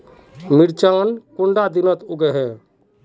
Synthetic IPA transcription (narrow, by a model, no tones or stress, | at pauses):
miɾt͡ʃaːnkuɳɖad̪inət̪uɡɛɦɛ